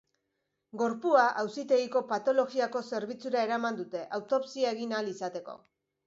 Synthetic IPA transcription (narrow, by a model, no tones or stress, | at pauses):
ɡo̞ɾpuaʔawsit̪e̞ɣiko̞pat̪o̞lo̞ɣiako̞se̞ɾβ̞it͡suɾae̞ɾamand̪ut̪e̞ʔawt̪o̞psiaeɣ̞inalisat̪e̞ko̞̰